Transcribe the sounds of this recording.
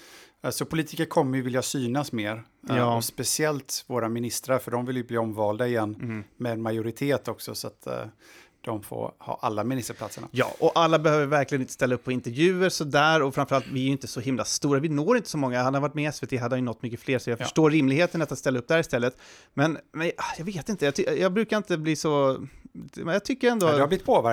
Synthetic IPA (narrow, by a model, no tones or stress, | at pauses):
sɔpʰʊliːt̪ɪkəɾkʰɔmːəɾjɵvɪljasyːnasmeːɾ | jɑːɔspɛsɪɛlt̪voːɾamɪnɪst̪ɾaɾfœɖɔmvɪljɵbliːɔmvɑːld̪aɪjɛnːmɛɛnmajʊɾɪt̪ʰeːt̪ʰɔksɔsɔat̪ | d̪̥ɔmfo̰hɑ̰ːʔa̰lːamɪnɪst̪əɾpʰlat̪səɳa̰jɑ̰ːʔɔʔalːabɛhøːvəɾvæɾklɪɡənɪnt̪ə̥st̪ɛlːaɵpːɔɪnt̪ɛɾvjʉ̟ːəɾsɔd̪æːɾɔfɾamfœɾalt̪vɪæɾjʏɪnt̪əsɔɦɪmla̰st̪uːɾavɪnoːɾɪnt̪ə̥sɔmɔŋːahanhaɾvaʈ̚ːmɛɛsveːt̪ʰeːɦad̪ːhanjʏɵnɔt̪ːmʏkːəfleːɾsɔjɑːɡfœʂʈoːɾːɪmlɪɡheːt̪ənat̪ːat̪st̪ɛlːaɵp̚ːd̪æɾɪst̪ɛlːət̪ | mɛnmɛnjɑːɡveːt̪ɪnt̪əjɑːjjɑːɡbɾʉːkaɾɪnt̪əbliːsɔ | mɛjɑt̪ʰʏkːəɾɛnd̪oɛhablɪt̪pʰoːvæ